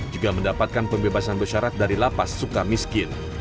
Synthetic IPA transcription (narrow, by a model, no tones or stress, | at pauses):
d͡ʒuɡaməndapat̪̚kanpəmbebasanbəʃaɾat̪̚daɾilapasːukarmiskɪn